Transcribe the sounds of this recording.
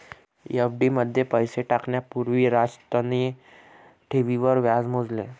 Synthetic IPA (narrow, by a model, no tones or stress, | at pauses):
efɖiməd̪ʱːjepəjseʈakɳjapuɾʋiːɾast̪əni | ʈʰiʋiʋəɾʋjad͡zmod͡zle